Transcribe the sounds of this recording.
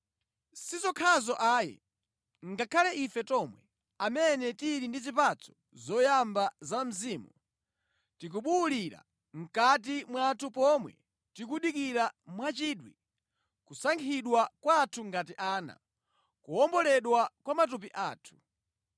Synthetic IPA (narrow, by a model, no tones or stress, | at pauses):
sizɔkʰazɔʔaːjɛ̰ | ŋɡakʰalɛʔifɛtɔmwɛ | amɛnɛtiɾindizipat͡sʰɔ̥ | zɔjambazam̩ziːmu | tik̬uɓuːliɾa̰ | ŋ̩kat̬imwatʰupɔmwɛ̰ | tikuɗikiɾamwat͡ʃiːɗwi | kusaŋkʰiɗwakwaːtʰuŋɡatiʔaːna̰ | kuɔmbɔlɛɗwakwamat̬up̬iʔaːtʰu̥